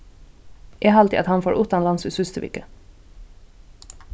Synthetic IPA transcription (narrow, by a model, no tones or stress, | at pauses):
ʔeɦɑlt̪ɪ̰ʔɑ̰t̪hɑnfoːɾʔuːt̪ɑnlɑnsʉsʉst̪əʋɪ̰kə